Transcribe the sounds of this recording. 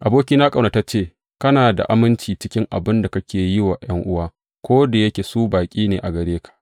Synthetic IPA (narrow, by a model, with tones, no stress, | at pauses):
ʔa˨boː˦kʲiː˦naː˦kʼɐ˨wna˨ta˦t͡ʃeː˦˨ | kɐ˦naː˨da̰˨ʔa˦mɪ˦nt͡ʃiː˨t͡ʃɪ˦kʲɪ˦ŋʔa̰˨bɪ˦nda˨kɐ˦kʲʰeː˨jɪ˦wa˨j̰ɐ˦ŋʔʊ˦waː˦ | kʷoː˦da˨jɐ˦kʲe˨suː˦baː˨kʲʼiː˦neː˨ʔa˨ɡɐ˨ɽeː˦kḁ˨ʔ